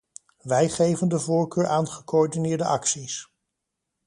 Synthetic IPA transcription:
ʋɛjχejvəndəvʊːɹkøːɹʔaːnχəkoɔɹdinɪːɹdəʔɑksis

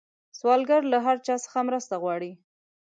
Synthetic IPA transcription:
swɑlɡaɾlaɦaɾt͡ʃɑsə̥xamɾəst̪aɣwɑɽi

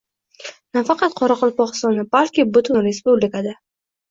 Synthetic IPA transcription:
nafɑqɑt̪̚qʰɒɾɑqʰʊlˠpɒqst̪ɒnabalkʲɪbʊt̪ʰʊnɾe̞spublɪkad̪a

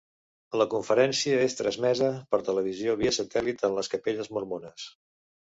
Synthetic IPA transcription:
ləkuɱfəɾɛnsiəest̪ɾəzmɛzəpəɾt̪ələβ̞izioβiəsət̪ɛlit̪ənləskəpeʎəzmuɾmonəs

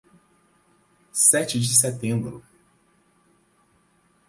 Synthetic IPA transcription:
sɛt͡ʃɪd͡ʒɪs̬ɛt̪ẽmbɾʊ

